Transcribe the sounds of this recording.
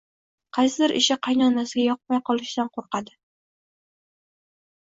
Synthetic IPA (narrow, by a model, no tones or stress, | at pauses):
qʰɑjsɪd̪ɪɾʔɪ̰ʃɪqʰɑjnɒnasɪɡʲajɒq̚majqʰɒlˠɪʃd̪anqʰoɾqɑd̪ɪ